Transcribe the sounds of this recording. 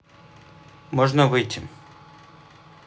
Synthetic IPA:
mɔʐnɐʋɨjtʲʰɪ

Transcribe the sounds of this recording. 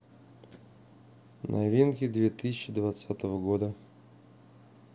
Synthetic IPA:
nʔa̰vʲinkʲɪd̪vʲet̪ɨsʲɪt͡ɕːɪd̪vat̪sat̪əvəɡod̪ə

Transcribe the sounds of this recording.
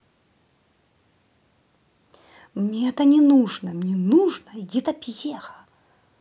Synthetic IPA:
mnʲeɛt̪ɐnʲɪnuʐnɐmnʲɛnuʐnɐjit̪ɐpʲjexɐ

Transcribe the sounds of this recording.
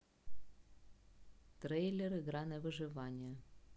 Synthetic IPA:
t̪ɾejlʲeɾɨɡɾanəvɨʐɨvanʲɪjə

